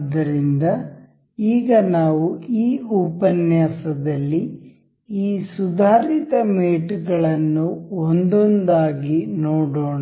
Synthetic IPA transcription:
d̪ɐɾind̪ɐ | iːɡɐnaːʋuiːuːpɐnjaːsɐd̪ɐlːi | iːsud̪ʱaːɾit̪ɐmeːʈɡɐɭɐnːuond̪ond̪aːɡinoːɽoːɳa

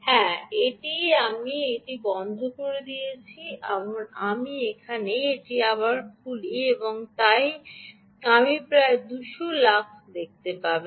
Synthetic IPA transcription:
hɛ̃eʈiamieʈibɔnd̪ʱokoɾed̪ijet͡ɕʰia̰mamiekʰaneeʈiaβaɾkʰulieboŋt̪aj | amipɾaed̪uʃolakʰd̪ek̚t̪epaɾbe

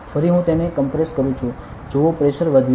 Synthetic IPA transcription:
fʰəɾiɦũt̪enekəmpɾeskəɾũt͡ʃʰu | d͡ʒoopɾeʃəɾʋəd̪ʱ

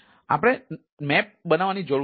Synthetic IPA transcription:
a̰pəɽ̃e | mɛp̚bənaʋanid͡ʒo

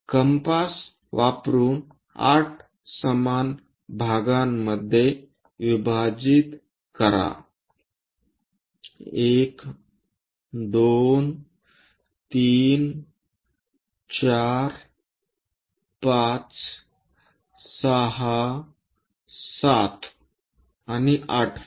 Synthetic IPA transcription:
kəmpas | ʋapɾuːn | a̰ʈʰ | səman | bʱaɡamːəd̪ʱje | ʋibʱad͡ʑit̪ | kəɾa̰ | ek | d̪on | t̪in | t͡ʃaɾ | pat͡s | səɦa | sat̪ | aniʔa̰ʈʰ

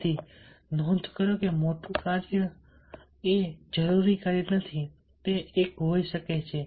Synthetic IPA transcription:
inõt̪kəɾokemot̪ukaɾjə | ed͡ʒəɾuɾikəɾjənət̪ʰi | t̪eːkɦoiʃəket͡ʃʰe

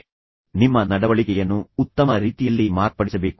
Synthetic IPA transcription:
nimːɐnɐɽɐʋɐɭikɛjɐnːuːt̪ːɐmɐɾiːt̪ijɐlːimaːɾpɐɽisɐbe̞ːku̥

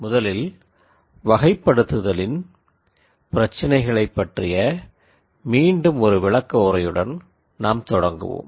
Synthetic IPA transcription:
mʊðɐlɪl | ʋɐɣɐɪpːɐɽɯt̪ːɯðɐlɪn | pɪɾɐt͡ʃːɐnɐɪɣɐɭɐɪpːɐʈrɪjɐ | miːɳɖɯmɔɾɯʋɪɭɐkːɐɔɾɐjɯɽɐn | naːmt̪ɔɽɐŋɡɯ̰ʋo̰ːm

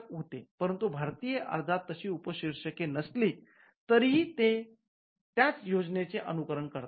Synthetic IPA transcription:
kɦot̪epəɾənt̪ubʱaɾt̪ijəʔə̰ɾd͡z̪ʱat̪ːəɕiːupəɕiɾʂəkenəsli | t̪əɾit̪e | t̪jat͡sjod͡znet͡seʔənukəɾəɳkəɾt̪

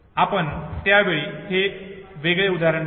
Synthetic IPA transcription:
apəɳt̪jaʋeɭiɦeʋeɡɭeud̪aɾəɳ

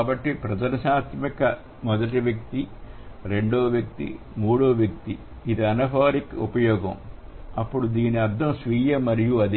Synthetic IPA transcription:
bɐʈːipɾɐd͡ʒɐnɐʃaːt̪mikɐ | mɔd̪ɐʈiʋjɐk̚t̪iɾe̞ɳɖoːʋjɐk̚t̪ḭ | muːɽoːʋjɐk̚t̪i | id̪iɐnɐpaːɾikupɐjɔːɡɐ̰m | ɐpːuɽud̪iːniɐɾd̪ʱɐmsʋiːjɐmɐɾijuɐd̪i

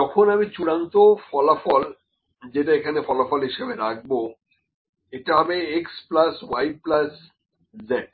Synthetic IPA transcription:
ɔkʰonamit͡ɕuɽant̪ofɔlafɔl | d͡ʑeʈaekʰanefɔlafɔlɦiʃebeɾak̚ʰbo | eʈeɦɔbeeksplaswajplas | zeɖ̚

